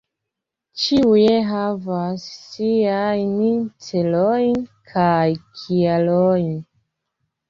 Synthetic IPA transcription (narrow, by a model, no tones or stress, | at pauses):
t͡ʃiujeɦavasːiajnit͡selojnkʰajkʰialojn